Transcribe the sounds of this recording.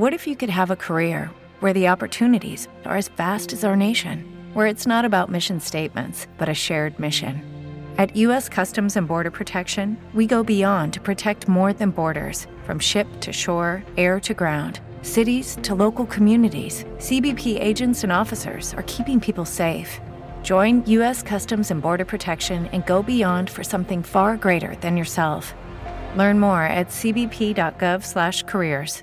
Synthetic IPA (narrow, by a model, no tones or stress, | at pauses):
wʌɾɨfjɨkɨd̚əvəkʰə˞ɪɹ | wə˞ðiɑpə˞tʰʉnɨɾḭz̥ | ə̰˞ɨz̥fæstɨzəʊə˞neɪʃɨ̰̃nwə˞ɨtsnəɾɨbaʊt̚mɪʃɨ̃n̩steɪt̚mɨ̰̃ntsb̥ʌɾɨʃɛɹd̚mɪʃɨ̰̃nɨtjʉɛskʰʌstɨ̃mzɨ̃nbɔɹɾə˞pʰɹ̥ɨtʰɛkʃɨ̃nwiɡoʊbiɑ̃ntʰɨ̥pʰɹ̥ɨtʰɛk̚t̚mɔɹðɨ̃nbɔɹɾə̰˞z̥ | fɹʌ̰̃mʃɪp̚tʰɨʃɔɹɛɹɾɨɡɹãʊ̃nd̥ | sɪɾiz̥tʰəloʊkl̩ˠkʰmjʉnɨɾḭz̥ | sibipʰiʔḛɪd͡ʒɨ̃ntsɨ̃nɔfɨsə̰˞z̥ə̰˞kʰipɪ̃ŋpʰipl̩ˠseɪf | d̥ʒ̥ɔ̃ɪ̃njʉɛskʰʌstɨ̃mzɨ̃nbɔɹɾə˞pʰɹ̥ɨtʰɛkʃɨ̃nɨ̰̃nɡoʊbiɑ̃nd̥fə˞sʌ̃mθɪ̃ŋfɑɹɡɹeɪɾə̰˞ðɨ̃njə˞sɛlˠf | lɜ̃˞nmɔɹɨ̰tsibipʰidɑt̚ɡ̥ʌv̥slæʃkʰə˞ɪɹz̥